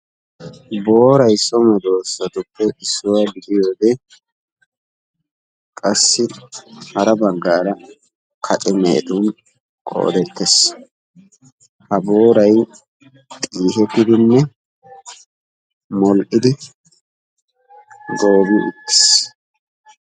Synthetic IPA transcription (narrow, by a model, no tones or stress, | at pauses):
bo̞ːɾɐjsɔmɐd̪o̞ːsːɐt̪ʊpːɛʔɪsːʊwaːɡɪd̪ɪjoːd̪ɛ | kʼɐsːɪhɐɾɐbɐɡːaːɾɐ | kʰɐt̪ʼɪmḛːt̪ʊn | kʼo̰ːd̪ɛt̪ːɛs | hɐbo̞ːɾɐj | t̪ʼiːhɛt̪ːɪd̪ɪnːɛ | mɔlʔʼɪd̪ɪ | ɡo̞ːbɪʔɪ̰tːɪ̥s